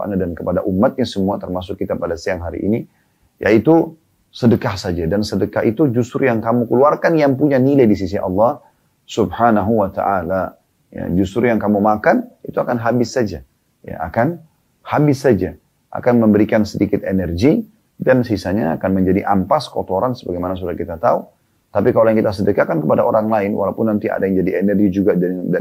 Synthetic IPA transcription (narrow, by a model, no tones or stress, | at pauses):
a̰nadankəpadaʔumːat̪̚ɲasəmuat̪ərmasʊkːit̪apadasiamɦaɾḭʔḭni | ja̰it̪u | sədəkahsad͡ʒadansədəkahit̪ud͡ʒust̪ɾujaŋkamukəluarkanjaŋpuɲanilajdis̬isiɑ̰lːɑh | sub̚hanaɦuwat̪a̰ʔala | ja̰d͡ʒust̪ɾujaŋkamumakanit̪uakanɦabɪsːad͡ʒa | ja̰akan | habɪsːad͡ʒa | ʔa̰kanməmbəɾikansədikɪt̪enɛrɡi | dansisaɲaːkanməɲd͡ʒadiʔampaskot̪oɾansəbaɡajmanas̬udahkit̪at̪au | t̪apikalajaŋkit̪as̬ədəkakankəpadaʔoɾaŋlaɪnwa̰lawpʊnːant̪iʔa̰dajaŋd͡ʒadienɛrɡid͡ʒuɡadda